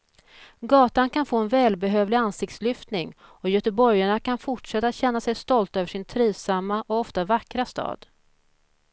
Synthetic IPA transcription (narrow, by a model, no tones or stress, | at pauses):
ɡɑːt̪ankʰanfoːɛnvɛːlbɛɦøːvlɪansɪk̚t̪slʏft̪nɪŋɔjœt̪ɛbɔɾjaɳakʰanfʊʈʂɛt̪ːat̪ɕɛnːasɛjst̪ɔlt̪øːvəʂɪnt̪ʰɾiːvsamːaʔɔɔft̪avakɾast̪ɑ̰ːd̪̥